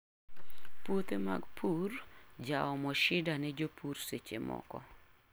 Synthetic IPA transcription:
pot̪ema̰ɡpʰurd͡ʒaɔmɔʃɪdanɛd͡ʒopʰuɾset͡ʃemɔ̰kɔ̰

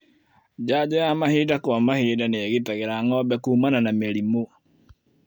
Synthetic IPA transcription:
d͡ʒad͡ʒɔjamahiːdakwamahiːdaneaɣitaɣeɾaŋɔbɛkuːmananameɾimo

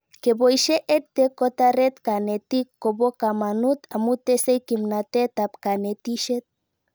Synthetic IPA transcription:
kebojʃeʔet̚t̪ekot̪aɾet̪kanet̪ikːobokamanut̪ʰamut̪esejkimnat̪et̪apkanet̪iʃet̪̚

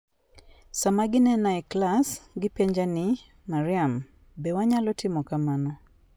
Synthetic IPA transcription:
samaɡinɛnaɛklasɡɪpɛɲd͡ʒani | maɾiam | bɛwaɲalɔtʰɪmɔkamanɔ

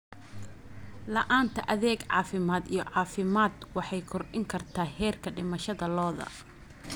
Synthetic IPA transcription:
lɐʔaːnt̪ʰɐʔɐðɛːɡʕɑːfɪmaːd̪ijɔʕɑːfɪmaːd̪wɑħɑjkʰɔrʔɪŋkʰɐrt̪ʰaːhɛːrkʰɐɖɪmɐʃɐðɐlɔːðɐ̰

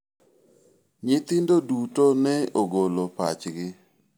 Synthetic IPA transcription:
ɲɪt̪ɪndodutonɛoɡolopa̰t͡ʃɡɪ

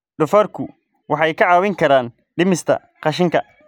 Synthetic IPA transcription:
ɖʊfɐrkʰʊ | wɑħɑjkʰɐʕɑːwɪŋkʰɐɾaːn | ɖɪmɪst̪ʰɐ̰ | qɑʃ̬ɪŋkʰɐ̰

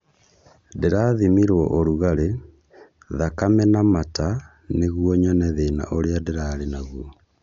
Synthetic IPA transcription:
deɾaːðimiɾwɔʔoɾuɣaɾe | ðakamɛnamata | neɣwɔɲɔnɛðeːna̰ʔoɾeadeɾaɾenaɣwɔ

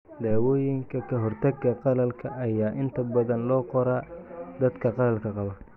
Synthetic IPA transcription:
d̪aːwɔːjɪŋkʰɐkʰɐɦɔrt̪ʰɐɡːɐqɑlɐlkʰɐʔɐjaːʔɪnt̪ʰɐbɐðɐnlɔːqɔɾaːd̪ɐd̪kʰɐqɑlɐlkʰɐqɑβɐ

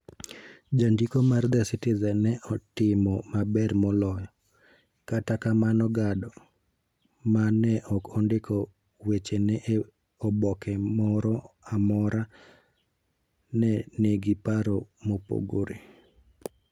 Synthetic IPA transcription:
d͡ʒandikomard̪ɛsɪtɪzɛnːɛʔɔtɪmɔmabɛrmɔlɔjɔ | katakamanɔɡadɔ | manːɛʔɔkʰɔndɪkʰɔ | wet͡ʃenɛʔ | ɔbɔkɛmɔɾɔamɔɾa | nɛneɡipaɾɔmopo̰ɡo̰ɾḛ

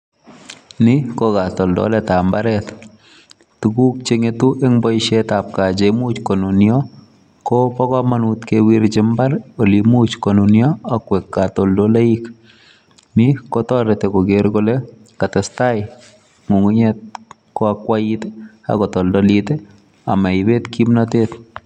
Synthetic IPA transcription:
nɪkokatɔldɔ̰lɛtambaɾɛt | tukuk̚t͡ʃeŋetuʔeŋbɔjʃetap̚kad͡ʒemut͡ʃkonunjɔ | kɔpɔkɔmanut̪kewiɾt͡ʃɪmbaɾolimut͡ʃkonunjɔakwɛkːatoldolaik | mikɔtɔɾetekoɡeɾkole | katɛstajɪ | ŋuŋuɲɛt̚ | kɔakwaite | a̰kɔtɔldɔlite | a̰maɪbetkimnɔtet

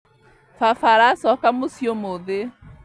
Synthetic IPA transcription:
fafaɾasɔkamosjomoðe

